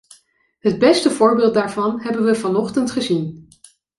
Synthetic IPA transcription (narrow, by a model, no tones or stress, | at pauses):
ɦəd̚bɛstəvʊːɹbɪːlˠt̚daːɹvɑnɦɛbənʋəvɑnɔχtəntχəzin